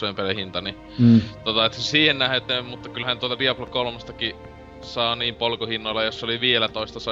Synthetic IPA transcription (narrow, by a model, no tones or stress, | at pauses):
oemperehint̪ɑni | t̪ot̪ɑet̪ːsesiːhennæhet̪ːˑemmut̪ːɑkylhænt̪uot̪ɑdiɑplɑkolmɑst̪ɑki | sɑːniːmpolkohinːoelːɑjosːoliʋiːelæt̪oˑest̪ɑsɑ